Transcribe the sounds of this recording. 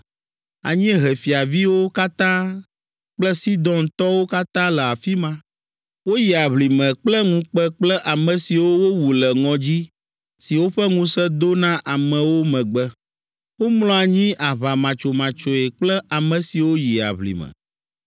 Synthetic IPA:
a̰˨ɲĩ˦ɦɛ˨fi˨a˨vi˦wo˦ka˦t̪ã˦ | k͡plə˦si˦d̪ɔ̃˦nt̪ɔ˦wo˦ka˦t̪ã˦lə˨a˨fi˦mã˦ | wo˦ji˨a˨βli˨mɛ̃˨k͡plə˦ŋũ˦k͡pɛ˦k͡plə˦ʔa˨mɛ̃˨si˨wo˦wo˦wu˨lə˨ŋɔ̃˨d͡ʑi˦ | si˨wo˦ɸɛ˦ŋũ˦sɛ˦d̪o˦nã˦ʔa˨mɛ̃˨wo˦mɛ̃˨ɡ͡bə˦ | wo˦mlɔ̃˦a˨ɲĩ˦ʔa˨βa˨mã˨t͡ʃo˨mã˨t͡ʃo˨e˨k͡plə˦a˨mɛ̃˨si˨wo˦ji˨a̰˨βlḭ˨mɛ̰̃˨

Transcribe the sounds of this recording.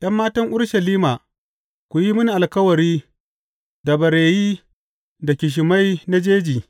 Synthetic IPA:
ɗɐ˦mːaː˦tɐ˦ŋʔʊ˦ɽʃɐ˨liː˦maː˨ | kʷu˨ji˦mʊ˦ni˨ʔa˨lkɐ˦wɐ˨ɾiː˦ | da˨bɐ˨ɾeː˨jiː˦ | da˨kʲɪ˨ʃ̬ɪ˨ma˦jna˦d͡ʒeː˦d͡ʒiː˨

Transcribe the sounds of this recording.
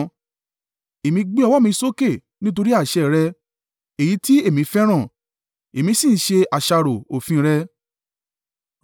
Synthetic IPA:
e˨mĩ˧ɡ͡be˦ɔ˧wɔ˦mĩ˧so˦ke˦˨ | nĩ˦to˧ɾi˦a˦˨ʃɛ˨ɾɛ˧ | e˨ji˨˦ti˦e˦˨mĩ˧˦fɛ˦ɾ̃ã˦˨ | e˨mĩ˧˦sĩ˦˨˦ʃe˧a˨ʃa˧ɾo˨o˨fĩ˧˦˧ɾɛ˧

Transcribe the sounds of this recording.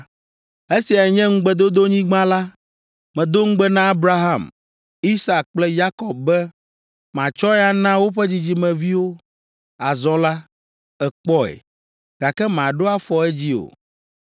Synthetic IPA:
e˦si˨a˨ɲɛ̃˦ŋ̩˦ɡ͡bɛ˦d̪o˦d̪o˦ɲĩ˦ɡ͡bã˦la˦ | mɛ̃˨d̪o˦ŋ̩˦ɡ͡bɛ˦nã˦a˦bɾa˦ɦa˦˨m | i˦sa˦˨k̚k͡plɛ˦ja˦kɔ˨b̚bɛ˦ | mã˨t͡ʃɔ˦ɛ˦a˦nã˦wo˦ɸɛ˦d͡ʑi˨d͡ʑi˦mɛ̃˨vi˦wo˦ | a˨zɔ̃˦la˦ | ɛ˨k͡pɔ˦ɛ̰˨ | ɡ̥a˨kɛ˦mã˨ɖo˦a˦fɔ˨ɛ˦d͡ʑi˦o̰˨

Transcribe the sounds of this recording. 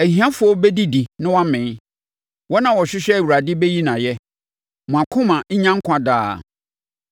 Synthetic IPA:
æ˨hi˨˦ã˦fʊ˨˦ɔ˦bɛ˦di˦di˨nɪ̃˦wã˦mɪ̃˨˦ | wɔ˦nã˨wɔ˨ɕᶣɪ˦ɕᶣɛ˦˨wu˨ɾa˨dɪ˦be˦ji˦nã˨jɛ˦ | mʊ̃˨a˨kʰʊ̃˦mã˨ɲ̩˦ɲã˦ŋ̩˦kʰʷã˨da̰ː˦˨

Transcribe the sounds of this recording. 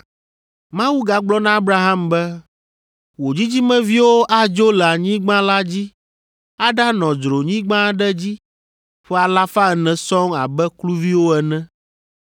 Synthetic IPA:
mã˦wu˦ɡa˨ɡ͡blɔ˦nã˦a˦bɾa˦ɦa˦mbɛ˦ | wo˨d͡ʑi˦d͡ʑi˦mɛ̃˦vi˦wo˦ʔa˦d͡ʒo˦lɛ˨a˨ɲĩ˦ɡ͡bã˦la˦d͡ʑi˦ | a˦ɖa˦nɔ̃˨d͡ʒɾo˨ɲĩ˦ɡ͡bã˦ɖɛ˦d͡ʑi˦ | ɸɛ˦a˨la˦fa˦ɛ˨nɛ̃˨sɔ̃˦ŋa˨bɛ˦klu˦vi˦wo˦ɛ˨nɛ̃˦

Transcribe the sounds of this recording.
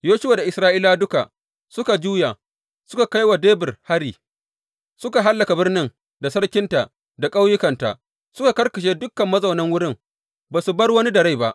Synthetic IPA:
joː˦ʃwaː˨da˨ʔɪ˨sɾaː˦ʔiː˦la˦dʊ˦ka̰˨ʔ | sʊ˦ka˨d͡ʒuː˦ja˨ | sʊ˦ka˨ka˦jwa˨deː˦bɪ˨rha˦ɽiː˨ | sʊ˦ka˨ɦa˦lːɐ˨ka˨bɪ˦rnɪ˦ŋ | da˨sɐ˦ɽkʲɪ˦nta˨ʔ | da˨kʼa˦wjʊ˦kɐ˨nta̰˨ʔ | sʊ˦ka˨kɐ˦rkɐ˨ʃ̬eː˦dʊ˦kːɐ˨mːɐ˦zɐ˨wnɐ˦ŋwʊ˦ɽɪ˦ŋ | baː˨su˨bɐ˦rwɐ˦ni˦dɐ˨ɽa˦jba˦ʔ

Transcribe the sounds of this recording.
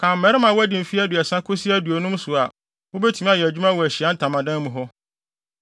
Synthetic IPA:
kʰã˨m̩ː˦ɛ˨˦ɾɪ˦mã˨wʊ˦æ˦dĩ˨m̩˨fi˦æ˦dʊ˨ɛ˨sã˦kʰʊ˦si˦æ˦du˨o˨nũ˦m˦sʊ˨a˨ | wʊ˦be˦tʰĩ˨˦m˦ã˦jɛ˨æ˨d͡ʑᶣu˦mã˦wɔ˨æ˨ɕi˨a˨˦n̩˦tʰã˨mã˨dã˦n˦mũ˨ɦɔ˦

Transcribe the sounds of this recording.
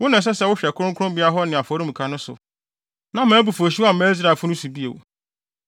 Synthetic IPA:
wʊ˦nʊ̃˨s̬ɛ˦sɛ˦˨wʊ˦ɕᶣɛ˨kʰʊ˦ɾʊ̃˦kʰʊ̃˦bi˦a˦ɦɔ˦nɪ̃˨a˨fɔ˨˦ɾĩ˦m̩ũ˨kʰa˦nʊ̃˦sʊ̰˨ | nã˦mãː˨˦bu˨fo˨ɕ̬i˦a˦˨mɛ̃˦s̬ɾa˨fʊ˦nʊ̃˦su˨bi˦ḛ˨w̰

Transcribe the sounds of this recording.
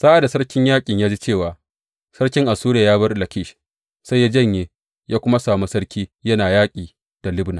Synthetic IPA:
sa˦ʔa˨da˨sɐ˦ɽkʲɪ˦ɲjaː˦kʲʼɪ˨ɲjaː˦d͡ʒi˦t͡ʃeː˦˨waː˨ | sɐ˦ɽkʲɪ˦ŋʔa˨suː˦ɾaː˨jaː˦βɐ˦rlɐ˨kʲɪː˦˨ʃ | sa˦jːa˦d͡ʒɐ˦˨ɲjeː˨ | jaː˦kʷʊ˦ma˦saː˨mu˦sɐ˦ɽkʲʰiː˦jɐ˦naː˨jaː˦kʲʼiː˨ | d̥a˨lɪ˦bnaː˨

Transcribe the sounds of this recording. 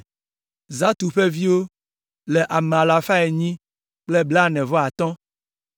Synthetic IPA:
za˦t̪u˨ɸe˦vi˦wo˦ | le˨ʔa˨me˨a˨la˨fa˦e˨ɲĩ˦ | k͡ple˦bla˦˨nɛ̃˨vɔ˦a˨t̪ɔ̃˦

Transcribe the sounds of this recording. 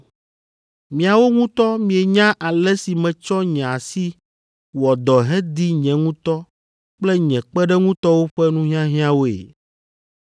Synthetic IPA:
mĩ˨a˨wo˦ŋũ˦t̪ɔ˦mĩ˨e˨ɲã˦ʔa˨lɛ˦si˨mɛ̃˨t͡ʃɔ˦ɲɛ̃˨a˨si˦ | wɔ˨d̪ɔ˨ɦɛ˦d̪i˦ɲɛ̃˨ŋũ˦t̪ɔ˦ | k͡plɛ˦ɲɛ̃˨k͡pɛ˦ɖɛ˦ŋũ˦t̪ɔ˦wo˦ɸɛ˦nũ˦ɦi˦ã˦ɦĩ˦ã˦wo˦ḛ˨

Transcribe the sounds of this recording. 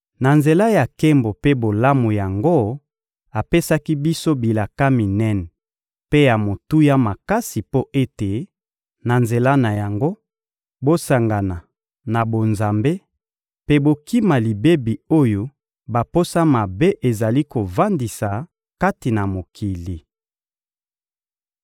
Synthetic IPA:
na˨nze˨la˦ja˨ke˦mbo˨pe˦bo˨la˦mu˨ja˨ŋɡo˦ | a˨pe˦sa˦ki˦bi˦so˦bi˨la˨ka˦mi˨nɛ˦n | pe˦ja˨mo˨tu˦ja˦ma˨ka˦si˨po˦ʔe˦te˨ | na˨nze˨la˦na˨ja˨ŋɡo˦ | bo˦sa˨ŋɡa˨na˨ | na˨bo˨nza˨mbe˦ | pe˦bo˦ki˦ma˨li˨be˦bi˨o˦jo˦ | ba˨po˦sa˦ma˨be˦ʔe˨za˨li˦ko˨va˦ndi˨sa˨ | ka˦ti˨na˨mo˨kʰi˨li˨

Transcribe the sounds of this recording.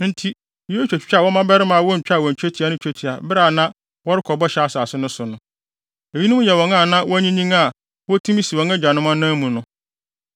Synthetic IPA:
n̩˦tʰi˦ | o˦t͡ʃᶣɛ˨t͡ɕᶣt͡ɕᶣa˦˨wɔ˦mã˦bɛ˦ɾɪ˦mã˨wɔ˦ɲ̩˨t͡ɕᶣa˦˨wɔ˨ɲ̩˨t͡ɕᶣɛ˦tʰi˦˨a˨nʊ̃˦t͡ɕᶣɛ˦tʰi˨a˨bɾa˨nã˦ | wɔ˦ɾɪ˦kʰɔ˨bɔ˦ɕɛ˨a˨saː˨sɪ˦nʊ̃˦sʊ˨nʊ̃˨˦ | e˨ji˦nʊ̃˦m̃˦jɛ˨wɔ̃˨˦ŋã˦˨nã˦wɔ˦ɲĩ˦nĩ˦ŋa˦˨ | wɔ˦tʰũ˦mĩ˦si˨wɔ̃˨˦ŋa˦d͡ʑᶣa˨nʊ̃˦mã˦nãː˦mũ˨nʊ̃˦

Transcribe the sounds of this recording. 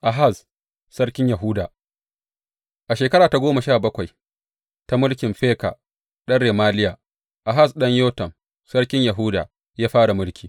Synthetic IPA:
ʔa˨ɦa˦˨s | sɐ˦ɽkʲɪ˦ɲjɐ˨ɦʊ˦daː˨ | ʔa˨ʃeː˨kɐ˦ɽaː˨ta˨˦ɡʷoː˦ma˨ʃaː˦˨bɐ˦kʷa˨j | ta˦mʊ˦lkʲɪ˨mɸeː˦ka̰˨ | ɗɐ˦nɽeː˨maː˦lɪ˦jaː˨ | ʔa˨ɦa˦˨sɗɐ˦ɲjoː˦tɐ˨m | sɐ˦ɽkʲɪ˦ɲjɐ˨ɦʊː˦da̰ː˨ | jaː˦ɸaː˦ɽa˨mʊ˦lkʲʰi̥ː˨

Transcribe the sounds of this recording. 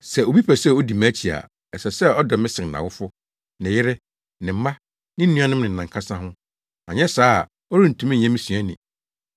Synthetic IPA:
sɛ˨o˨bi˦pʰɛ˨sɛ˦˨o˦di˨mã˦t͡ɕʰi˨a̰˨ | ɛ˨sɛ˨sɛ˦ɔ˦dɔ˨mɪ̃˦sɪ̃˨n˨nã̰˨wʊ˦fʊ˦ | nɪ̃˨jɪ˦ɾɪ˦ | nɪ̃˨m̩˦mã˦ | nɪ̃˦n̩˦nũ˦ã˦nɪ̃˦m˦nɪ̃˨n̩˨nã˨ŋkʰa˦sã˦ɦʊ̃˦ | ã̰˨ɲɛ̃˦saː˦˨ | ɔ˦ɾĩ˦n̩˨tʰũ˦m̃˦˨ɲɛ̃˦mĩ˦sɥæ˦nɪ̃˨

